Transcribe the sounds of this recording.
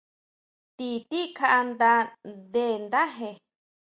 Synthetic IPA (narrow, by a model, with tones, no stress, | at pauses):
t̪i˧t̪i˦kʰa˧ʔa˧nd̪a˧d̪e˦˨nd̪a˦ɦe˧